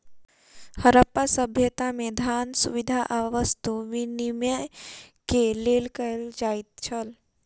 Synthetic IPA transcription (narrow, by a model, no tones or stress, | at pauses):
həɾəpːasəbʱjət̪amẽd̪ʱaːnsṵʋid̪ʱaʔaʋəst̪uʋinimjəkeleːlkəld͡ʒaːit̪̚t͡ʃʰəl